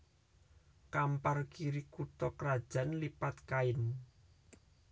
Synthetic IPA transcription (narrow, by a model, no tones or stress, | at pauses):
kamparkiɾikut̪ɔkɾad̥ʒ̥ä̤nlipat̪̚kaɪn